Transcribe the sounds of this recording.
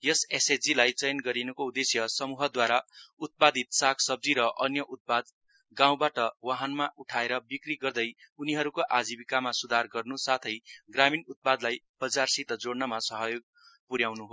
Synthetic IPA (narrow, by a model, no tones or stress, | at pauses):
jʌsesed͡zilajt͡sʌjnɡʌɾinukoud̪esjʌsʌmuɦʌd̪waɾaut̪̚pad̪it̪sakʰsʌb̚d͡ziɾʌʔʌnjʌʔut̪̚pad̪ | ɡãw̃baʈʌwaɦanmaʔuʈʰaeɾʌbikriɡʌrd̪ʌjuniɦʌɾukoʔad͡zibikamasud̪ʱarɡʌrnusat̪ʰʌjɡraminut̪̚pad̪laj | b̥ʌd͡zarsit̪ʌd͡zoɽnʌmasʌɦʌjoɡ̚ | puɾjawnuɦo